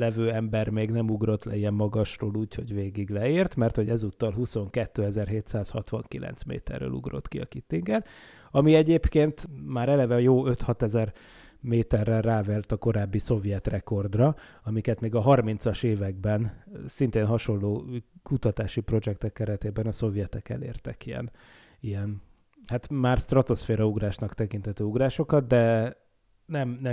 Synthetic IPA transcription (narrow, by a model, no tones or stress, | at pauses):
lɛvøːɛmbɛrmeːɡnɛmuɡro̞t̪lɛ̰iɛmːɒɡɒʃroːluːcho̞ɟveːɡiɡlɛiːrt̪mɛrt̪ho̞ɟɛzut̪ːɒlɦuso̞ŋkɛt̪ːøːɛzɛrɦeːt̪saːshɒt̪ʋɒ̰ŋkilʔɛ̰nt̪smḛːt̪ɛ̰rːø̰ːlṵɡro̞̰t̪kiɒ̰kit̪ːiŋɡɛr | ɒmiɛɟeːpkeːnt̪maːɾɛlɛvɛjoːø̞t̪hɒt̪ɛzɛr | meːt̪ɛrːɛlːaːvɛlt̪ɒko̞ɾaːbːiso̞vjɛt̪rɛko̞rd̪rɒ | ɒmikɛt̪meːɡɒɦɒrmint̪sɒʃeːvɛɡ̚bɛnsint̪eːnɦɒʃo̞lːoːkut̪ɒt̪aːʃipro̞d͡ʒɛk̚t̪ɛkːɛɾɛt̪eːbɛnɒso̞vjɛt̪ɛkɛ̰lḛːrt̪ɛkijɛ̰n | ijɛn | hat̪maːrst̪rɒt̪o̞sfeːɾɒuɡraːʃnɒkt̪ɛkint̪ʰɛt̪øːuɡraːʃo̞kɒt̪d̪ɛ | nɛmnɛ